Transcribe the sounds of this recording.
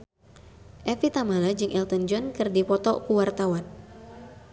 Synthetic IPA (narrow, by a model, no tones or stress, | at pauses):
ʔɛfit̪amalad͡ʒɨŋʔɛlt̪ɔnd͡ʒɔnkɨrdipɔt̪ɔkuwart̪awan